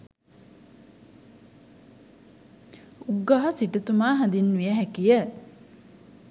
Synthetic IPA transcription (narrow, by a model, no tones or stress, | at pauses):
uɡːaɦɐsiʈət̪umaːɦad̪inːʋijəɦækijə